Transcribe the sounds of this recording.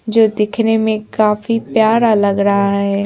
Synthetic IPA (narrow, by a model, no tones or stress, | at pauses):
d͡ʒoːd̪ɪkʰnemẽkaːfipjaːɾalɐɡɾɐɦaɦɛː